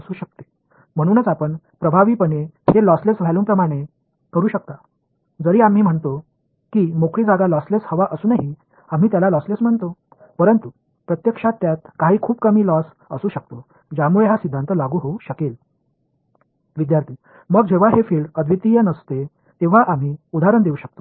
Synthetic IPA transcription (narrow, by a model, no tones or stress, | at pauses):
əsuːɕək̚t̪e̥ | m̤əɽ̃uːnət͡sapəɳ | pɾəbʱaʋiːpəɳehelɔslesʋʱaluːmpɾəmaɽ̃e | kəɾuːɕək̚t̪a | d͡zəɾiːam̤iːm̤əɳt̪o | kiːmokɾiːd͡zaɡalɔsleshəʋaʔəsuːnaɦi | am̤iːt̪jalalɔslesm̤əɳt̪o | pəɾənt̪u | pɾət̪jəkʂat̪ːjat̪̚kaɦiːkʰuːbkəm̤iːlɔs | əsuːɕək̚t̪o | d͡ʑamuɭeɦasid̪ʱːant̪əlaɡuːɦouɕəkel | ʋid̪jaɾt̪ʰiː | məɡd͡ʑeʋ̤aɦefiːɭɖəd̪ʱʋit̪ijənəst̪e | t̪eʋ̤aʔam̤iːud̪ʱaɾəɳd̪euːɕək̚t̪o̥